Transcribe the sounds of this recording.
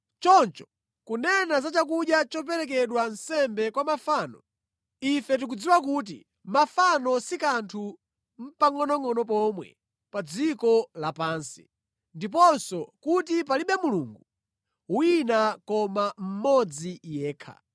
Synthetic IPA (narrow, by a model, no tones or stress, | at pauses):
t͡ʃɔnt͡ʃɔ̥ | kunɛnazat͡ʃak̬uɗjat͡ʃɔp̬ɛɾɛk̬ɛɗwan̩sɛmbɛkwamafaːnɔ | ifɛt̬ik̬ud͡ziwak̬uːt̬ḭ | mafanɔsikantʰu | m̩paŋɔnɔŋɔnɔp̬ɔmwɛ̰ | pad͡zikɔlapaːnsi̥̰ | ndip̬ɔnsɔkutipaliɓɛmuluːŋɡu | winakɔmam̩mɔd͡zijɛːkʰa̰